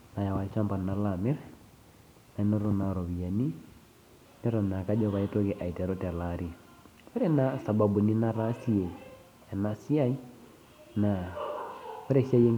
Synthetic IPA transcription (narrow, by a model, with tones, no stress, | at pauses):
na˨ja˨wa˨˦ʃa˦mba˨na˨la˨mɛ˦ɾ | na˨˦nɔ˦ɾo˦na˨ɾɔ˨βi˨ja˨ni˦ | nɛ˦ɾɔ˨na˨ka˦d͡ʒɔ˦βa˨i˦to˦kɛ˨ʔa˨i˨tɛ˨ɾɔ˦tɛ˨la˨ɾi˦ | ɔ˦ɾɛ˦na˨˦sa˨ba˨bu˨ni˦na˦ɾa˦si˦e˨ | a˨na˨si˦a˦i˦ | na˨ | ɔ˦ɾɛ˦˨si˦a˦je˦ŋ